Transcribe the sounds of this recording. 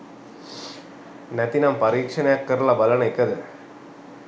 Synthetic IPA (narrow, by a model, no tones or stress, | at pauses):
nɐt̪inampɐɾiːkʂɐnɐjɐkːɐɾlɐbɐlɐnɐɪkːɐðɯ